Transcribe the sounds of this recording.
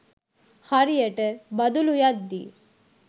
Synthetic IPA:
hɐɾijɐʈɨbɐd̪ulujad̪ːi

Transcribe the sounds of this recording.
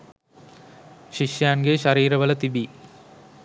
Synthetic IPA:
ʃiʃjaːnɡeʃɐɾiːɾɐʋɐlɐt̪ibi

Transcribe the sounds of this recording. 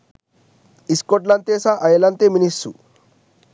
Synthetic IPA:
iskoʈlɐnt̪eːsaʔɐjɐlɐnt̪eminisːṵ

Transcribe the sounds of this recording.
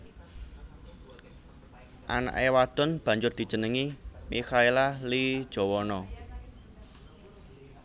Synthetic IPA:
ʔa̰na̰ʔewad̪̥ɔ̤nb̥ä̤ɲd͡ʒʊrd̪̥i̤̥d͡ʒ̥ə̤nəŋimixailali̥ʒ̥ɔ̤wɔnɔ

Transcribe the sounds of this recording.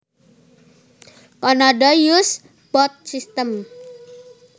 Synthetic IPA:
kɔnɔɖɔjus | b̥ɔt̪̚sist̪əm

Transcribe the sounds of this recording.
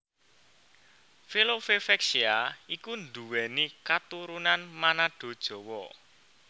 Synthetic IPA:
filofefɛksiaikund̪uwɛnikat̪uɾunanmanaɖ̥o̤d̥ʒ̥ɔ̤wɔ

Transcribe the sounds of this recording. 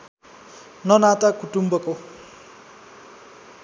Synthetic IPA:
nʌnat̪akuʈumbʌko

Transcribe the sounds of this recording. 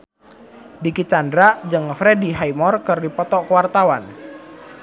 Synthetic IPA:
dikit͡ʃandɾad͡ʒɨŋfɾɛdiɦajmɔrkɨrdipɔt̪ɔkwart̪awan

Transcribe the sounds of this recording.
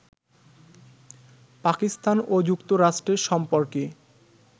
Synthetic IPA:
pakist̪anod͡ʑukt̪oɾaʃʈɾeɾʃɔmpoɾke

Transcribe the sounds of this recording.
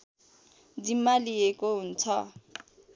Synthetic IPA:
d͡zimaliekoun̩t͡sʰɔ

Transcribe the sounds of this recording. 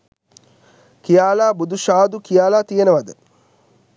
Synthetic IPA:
kijaːlaːbud̪uʃaːd̪ukijaːlaːt̪ijenəʋad̪ə

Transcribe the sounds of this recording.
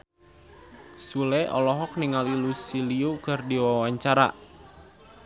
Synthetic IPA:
sulɛʔɔ̰lɔɦɔkniŋalilusiliukɨrdiwawaɲt͡ʃaɾa̰

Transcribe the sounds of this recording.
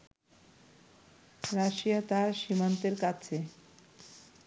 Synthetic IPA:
ɾaʃijat̪aʃimant̪eɾkat͡ɕʰe

